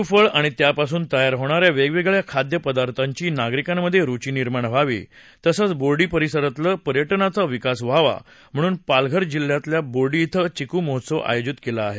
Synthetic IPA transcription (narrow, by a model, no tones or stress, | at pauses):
ufəɭaɽ̃it̪japasuːnt̪əjaɾɦoɽ̃aɾjaʋeɡʋeɡɭjakʰad̪jəpəd̪aɾt̪ʰaɲt͡ɕiːnaɡɾikamːəd̪ʱːjeɾut͡ɕiːniɾmaɳ̃ʋ̤aʋḭ | t̪əsət͡sboɽiːpəɾisəɾət̪ləːpəɾjəʈnat͡saʋikasʋ̤aʋa̰ | m̤əɽ̃uːnpalɡʱəɾd͡ʑilːjat̪ljaboɽiːt̪ʰət͡ɕikuːmɔɦt̪səʋʔa̰jod͡ʑit̪kelaːɦe